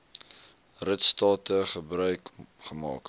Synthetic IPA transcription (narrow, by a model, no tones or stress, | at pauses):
rətstɑːtəχəbrœɥkχəmɑ̰ːk